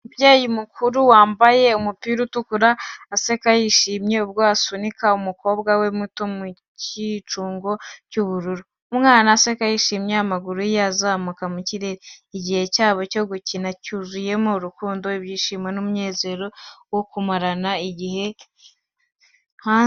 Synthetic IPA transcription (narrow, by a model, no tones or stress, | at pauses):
bjeːjimukuɾuwaːmbaje̞umupiɾutukuɾaːse̞kajiʃiːmɲe̞ubɡwaːsunikaumuko̞ːbɡawe̞muto̞mu | cit͡ʃuːŋɡo̞cuβuɾuɾu | umŋaːnaːse̞kajiʃiːmjeamaɡuɾujazaːmukamuciɾeɾiːɟihe̞caːβo̞co̞ɡucinacuzuje̞moɾukuːndoibjiːʃiːmwenumɲe̞ːze̞ɾo̞wokumaɾanaiɟihe̞ | ha